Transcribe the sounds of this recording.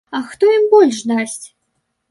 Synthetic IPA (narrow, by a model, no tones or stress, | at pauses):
ɐxt̪ɔimbɔlʲʂd̪asʲt͡sʲ